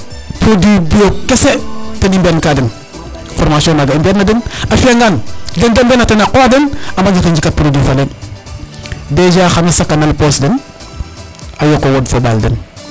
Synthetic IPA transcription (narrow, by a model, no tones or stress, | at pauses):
pɾodibijokesetenimbenkaden | foɾmasionaɡaimbednːadənafiaŋɡandendambenatenaqoadənamaɲd͡ʒateɲd͡ʒikat̚puɾodifalen | bed͡ʒaxanasakːanalposdən | ajokowodfoba̰ldə̰n